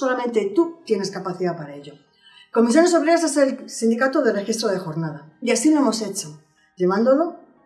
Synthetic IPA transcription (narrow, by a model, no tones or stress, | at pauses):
o̞lamẽnt̪et̪ut̪je̞ne̞skapaθiðapaɾae̞ʎo̞ | ko̞misjo̞ne̞soβɾease̞se̞lsind̪ikat̪oðelrexist̪ɾoð̞e̞xo̞ɾnað̞aiasilo̞e̞mo̞se̞t͡ʃo̞ | ʎe̞β̞and̪olo̞